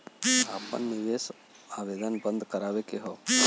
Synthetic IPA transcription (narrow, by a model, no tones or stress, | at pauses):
aːpə̰nːiʋes | aːbed̪ənbə̃nd̪ʱkəɾaːʋekeɦɔ